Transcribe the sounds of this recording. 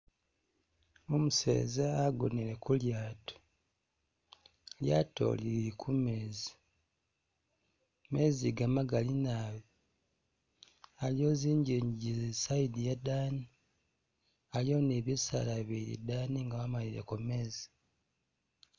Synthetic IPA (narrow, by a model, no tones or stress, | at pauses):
omusḛːzaːɡo̰neɾekuljaːto̥ | ljato̞̰liɾikʰumeːzi̥ | me̞ːziɡamaɡalinaːβi | aljo̞ziːɲɟiɲɟizisaidijadaːni | aljo̞neβisa̰laβiɾḭdaːniŋɡaβamaliɾḛkomeːzi̥